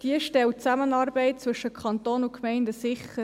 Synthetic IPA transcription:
d̥iəʃtɛlt͡sæmənɑːɾbɛɪt̚t͡sʋɵʃəkʰɑnt̪oːnʊkmɛɪndəsɪχə

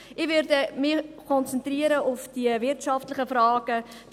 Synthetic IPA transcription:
ɪʋʏɾdəmɪkʰɔnt͡sɛntriəɾəʊfd̥iəvɪɾtʃɑftlɪχəfrɑːɡ̥ə

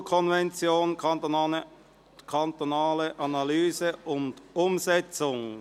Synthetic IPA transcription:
kʰɔnvɛnt͡sjoːn | kʰɑnt̪onɑːləʔɑnɑlyːzəʊndʊmzɛt͡sʊŋ

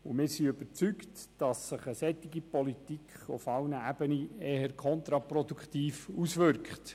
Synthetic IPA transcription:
ʊmɪːɾsiøb̥əɾt͡syktd̥ɑsːɪχəsɛtːɪɡipɔlitikχʊ̰fɑlnəæb̥əniɛːhəɾkʰɔnt̪ɾɑprɔdukχtiːfusʋʏɾkχt

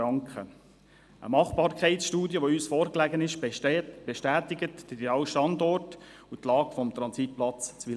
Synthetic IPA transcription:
ɑŋkχə | ʔə̰mɑχb̥ɑːɾkχɛɪtsʃtuːdjəʋoyːsfɔːɾklæɡənɪʃb̥ɛʃtæːtɪɡətd̥ideɑːwʃtɑndɔrt | utlɑːɡfɔmt̪ɾɑnsit̚plɑt͡st͡sʋi

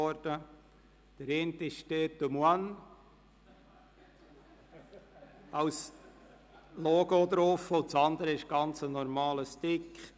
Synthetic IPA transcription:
ɔɾd̥ə | d̥əɾent̪ɪʃteːtːumwan | ɑws | lɔɡod̪ɾofːəʊnt͡sɑnd̪əɾəɪʃɡ̥ɑnt͡sənɔɾmɑːləstɪkχ

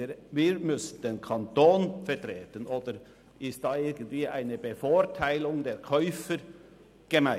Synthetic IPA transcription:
əviːɾmʏsən̩d̥̪eːnkʰɑnt̪oːnfɛɾtɾeːtənʔoːd̪əɾ | ʔɪstd̥ɑːɪɾɡən̩tv̥iːʔa̰ɪnəbəfoːɾtʰaɪlʊŋdeːɾkʰœʏfəɾ | ɡ̥əma

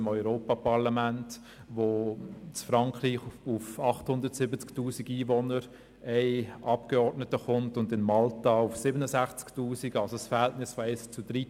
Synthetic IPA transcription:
ɪmɔʏɾoːpapɑʁlamænt | ʋot͡sfɾɑŋkɾiːχufɑχthʊndəɾtsɪbət͡sktuːsiɡiːvɔnəɾ | ɛɪʔɑpkɛɔɾdnətəχʊntʊndɪnmɑltaʊfsɪbənəsæχt͡sktuːsiɡɑlsosfəɾhɛltnɪsfɔɛɪst͡sudɾit

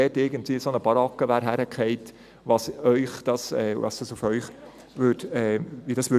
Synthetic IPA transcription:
ɛtɪɡəntʋiːsonəb̥ɑɾɑkːəʋæɾɦæɾəkʰχɛɪt | vɑsœʏχd̪̥ɑsɛvɑ̰sd̥ɑsufœʏχ | ʋøːtɛʋidɑsʋʏ

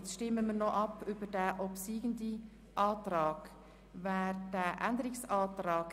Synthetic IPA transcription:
t͡sʃtɪməmənɔʔɑpʰybədæːʔɔpsiːɡ̥əndi | ʔɑːtrɑːɡ̥ | væːɾd̥ɛːʔændəɾɪksɑːtɾɑːɡ̥

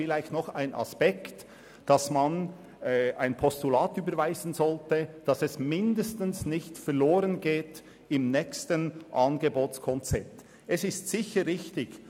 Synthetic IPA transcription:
ɪlaɪçtnɔχaɪnʔɑ̰spɛkt | d̥ɑsmɑn | aɪnpʰɔstulaːtyːbəɾvaɪzən̩zɔltəd̥ɑsɛsmɪndəstən̩snɪçtfɛʁloːɾənɡeːt | ɪmnɛkstənʔɑnɡeboːskʰɔnt͡sɛp̚t | ɛsɪstsɪçəʁɪçtɪç

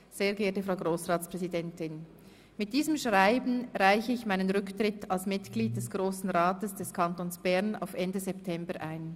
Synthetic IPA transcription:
z̥eːɐɡːtəfʁaʊɡʁoːsʁaːtspʁ̥ɛzidɛntɪn | mɪt̚d̥iːzəmʃʁaɪbn̩ʁaɪçəɪçmaɪnənʁʏktʁ̥ɪtalsmɪtɡ̥liːd̚d̥ɛsɡ̥ʁoːsn̩ʁaːtəsd̥ɛskʰantoːnsb̥ɛɐna̰ʊfɛndəzɛptʰɛmbəʔaɪn

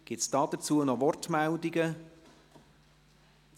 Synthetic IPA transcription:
ɡ̥ɪtsd̥ɑːd̥̪ət͡suːənɔvɔrtmældiɡə

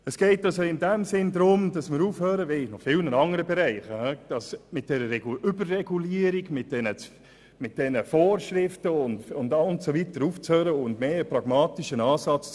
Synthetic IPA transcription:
əsɡ̥ɛɪtɑlsoɪndɛmsɪndɾʊmd̥ɑsmɪɾuːfhøːɾəvɛnɔχfɪlnənɑŋəɾəbɛɾæɪχhɛd̥ɑsmɪt̚d̥ɛɾəɛɡʏbərːɛɡuliəɾiɡmɪt̚d̥ɛnət͡s | mɪt̚d̥ɛnəfoːrʃɾɪftəʊndʊndɑʊntsovitəɾuːft͡shøːɾəʊndmeːəprɑɡ̥mɑːtiʃənɑːsɑt͡s

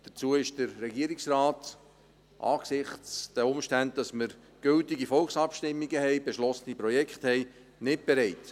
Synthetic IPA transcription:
d̥əɾt͡suəɪʃd̥əɾːɛɡiəɾɪksraːt | ʔɑ̰ːksɪχt͡sd̥æʊmʃtænd̚d̥ɑsməɾ | ɡ̥ɵltiɡifɔlksɑpʃtɪmːiɡəhɛɪb̥eʃlɔsənipɾɔjɛkχthɛɪ | nɪt̚b̥ɛɾɛɪt

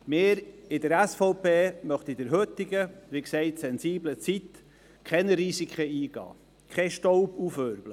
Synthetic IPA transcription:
mɪːɾɪdəɾɛsfɔʊpeːmœχt̪idəɾɦɵt̪ɪɡəʋiksɛɪtsɛnsiːblət͡sit | kʰχɛnəɾisikʰəiːɡ̥ɑ̰ː | kʰɛʃtɔʊbuføɾblə

